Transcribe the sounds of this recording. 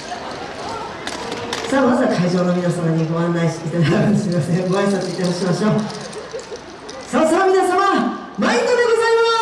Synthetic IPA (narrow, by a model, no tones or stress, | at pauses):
saːmazakʰaiʑo̞ːno̞mʲinasamaɲ̟iɡo̞ãnːaiɕi̥t̪eit̪ad̪aaknesimimasẽɡo̞assat͡sɨit̪ːe̞ɦo̞ɕimaɕoː | sasoɾamʲinasama | maind̪od̪e̞ɡo̞zaima